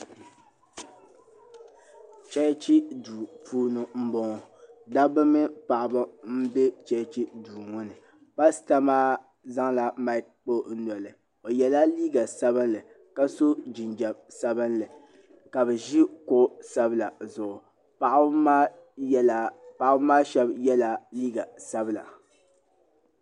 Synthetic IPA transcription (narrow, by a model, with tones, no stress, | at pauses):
t͡ʃɛ˦t͡ʃi˦duː˨fuː˦nɨ˨m̩˦bɔ˦ŋ˨da˦bɨ˦mɨ˦pa˨ʔa˨bɨ˦m̩˦be˦t͡ʃɛ˦t͡ʃi˦duː˨ŋʊ˦nɨ˨ | pa˦sta˦maː˦ | za˦ŋla˨ma˦k̚k͡po˦n̩˦nɔ˨lɨ˨ | o˨jɛ˨la˦liː˦ɡa˨sa˦bɨ˦nlɨ˨ | ka˦so˦d͡ʒɪ˨nd͡ʒɛ˨bsa˦bɨ˦nlɨ˨ | ka˨bɛ˨ʒi˦kʊ˦ʔsa˦bɨ˦la˨zʊ˨ʔʊ˨ | pa˨ʔa˦ma˦ | la˨pa˨ʔa˦bmaː˦ʃɛ˦bjɛ˦la˦liː˦ɡa˨sa˦bɨ˦la̰˨